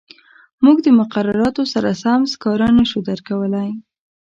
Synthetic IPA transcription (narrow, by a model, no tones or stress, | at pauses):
muɡd̪əmʊqaɾaɾɑt̪osaɾasamskɑɾanaʃud̪əɾkawəlaj